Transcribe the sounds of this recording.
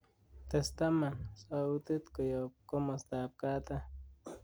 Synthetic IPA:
t̪est̪amasaut̪ɨt̪kojop̚komost̪ap̚kat̪a

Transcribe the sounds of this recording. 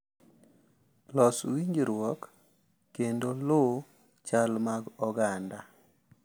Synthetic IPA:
lɔswiɲd͡ʒɾwɔkː | endolo | t͡ʃalmaɡɔɡanda

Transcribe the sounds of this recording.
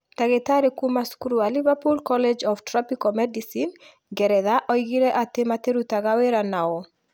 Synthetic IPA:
taɡɛtaɾekumaskuɾualivapulkɔlɛd͡ʒɔftɾɔpikɔmɛdisin | ɡɛɾɛðaʔɔiɡiɾɛʔatɪmat̪eɾut̪aɡaweɾanaɔ

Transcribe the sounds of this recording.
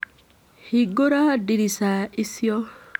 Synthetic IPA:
hiɡoɾadiɾisaisjɔ

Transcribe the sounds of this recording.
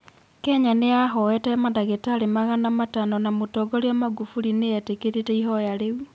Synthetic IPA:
kɛɲaneaɦɔwɛtɛmandaɣetaɾemaɣanamatanɔnamotɔɡɔɾiamaɡufuɾineɛtekeɾetɛiɦɔjaɾewi

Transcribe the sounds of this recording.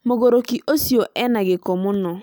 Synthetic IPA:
moɡoɾokiʔosioʔɛnaɡekomunɔ

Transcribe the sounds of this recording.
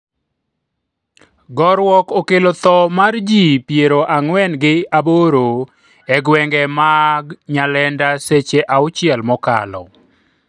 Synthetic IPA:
ɡɔɾwɔkokelot̪ɔmard͡ʒipjeɾoʔaŋwɛnɡɪaboɾo | ɛɡwɛŋɡɛmaɡɲalɛndaset͡ʃeʔaʊt͡ʃɪɛlmɔka̰lɔ̰

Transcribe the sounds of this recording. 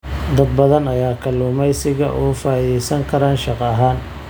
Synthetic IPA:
d̪ɐd̪̚bɐðɐnɐjaːkʰɐluːmɛjsɪɣɐ̰ʔɔːfaːjɛjsɐŋkʰɐɾaːnʃɑqɑɐɦaːn

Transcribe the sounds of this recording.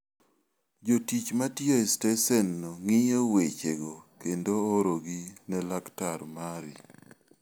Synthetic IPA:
d͡ʒotit͡ʃmatjɔɛstɛsɛnːoŋɪjowet͡ʃeɡokendoːɾoɡinɛlaktaɾmaɾḭ

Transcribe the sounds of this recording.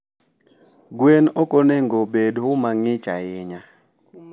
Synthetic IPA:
ɡwenɔkoneŋɡobedhʊmaŋɪt͡ʃaɪɲa

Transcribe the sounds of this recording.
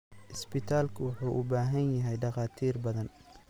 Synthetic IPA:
ʔɪsbɪt̪ʰaːlkʰʊwʊħuːʔʊbaːɦɐnjɐɦɛjɖɑqɑːt̪ʰiːrbɐðɐn

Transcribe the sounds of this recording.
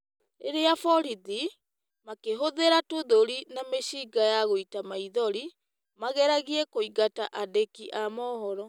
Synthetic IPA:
eɾeafɔɾiði | makeɦoðeɾatoðoɾinameɕiːɡajaɣoitamaiðɔɾi | maɣɛɾaɣiɛkoiɣataʔadekiʔamɔhɔɾɔ

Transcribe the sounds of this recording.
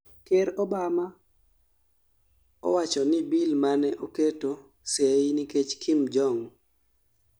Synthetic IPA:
keɾɔbama | ɔ̰wat͡ʃɔnɪbilmanɛʔoketo | seiniket͡ʃkʰɪmd͡ʒɔŋ

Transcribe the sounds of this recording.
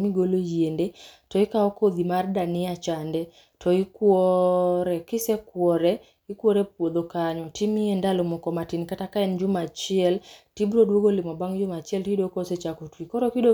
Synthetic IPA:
miɡolojiendetɔikaɔkod̪imardanɪat͡ʃandɛ | tɔikwɔɾɛkɪsɛkwɔɾɛ | ikwɔɾɛp̚wod̪okaɲɔtimiɛndalomɔkɔmatinkatakaɛnd͡ʒʊmat͡ʃiɛltibɾodwoɡolɪmɔbaŋd͡ʒʊmat͡ʃiɛltidokoset͡ʃakutwikɔɾɔkido

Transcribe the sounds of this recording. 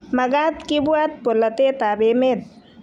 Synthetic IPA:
mɐɡat̪kibuat̪̚polːɐt̪et̪abemet̪̚

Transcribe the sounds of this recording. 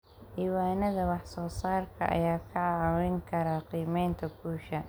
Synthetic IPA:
ʔiːwaːnɐðɐwɑħsɔːsaːrkʰɐ̰ʔɐ̰jaːkʰɐʕɑɾɪŋkʰɐɾɐqiːmɛjnt̪ʰɐkuːʃɐ

